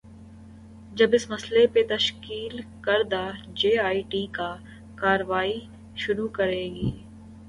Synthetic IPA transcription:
d͡ʒɐbɪsmɐslepet̪ɐʃkiːlkɐɾd̪aːd͡ʒeːaːiʈiːkaː | kaːɾəʋaːi | ʃʊɾukɐɾeːɡiː

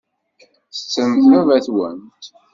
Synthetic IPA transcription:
θə̥t͡sːəmθævæθwə̰nt̪

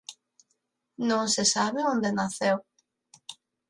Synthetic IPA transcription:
nõŋsesaβeõnd̪enaθew

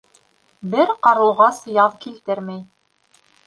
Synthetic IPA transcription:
bɘɾqɑɾɤ̆lˠʁɑsjɑðkilt̪ɘɾmæj

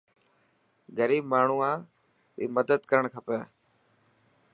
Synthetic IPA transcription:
ɡəɾiːbmaːɳ̤uːãː | ḭːməd̪əd̪kəɾəɳkʰəpəː

